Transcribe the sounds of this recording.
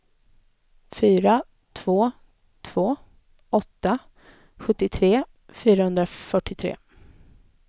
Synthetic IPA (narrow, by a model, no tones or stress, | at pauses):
fyːɾa | t̪ʰv̥oː | t̪ʰv̥oː | ɔt̪ːa | ɧɵt̪ːɪt̪ʰɾeː | fyːɾahɵnd̪ɾafœʈːɪt̪ʰɾḛː